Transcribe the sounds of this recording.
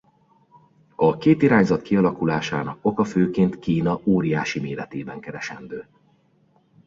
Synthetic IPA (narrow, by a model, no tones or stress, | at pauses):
ɒkeːt̪iɾaːɲzɒt̪kiɒlɒkulaːʃaːnɒko̞kɒføːkeːnt̪kiːnɒoːɾijaːʃimeːlɛt̪eːbɛŋkɛɾɛʃɛnd̪øː